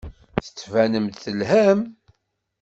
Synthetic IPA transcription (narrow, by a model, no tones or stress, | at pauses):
θə̥t͡sːvænəmt̪θəlɦæm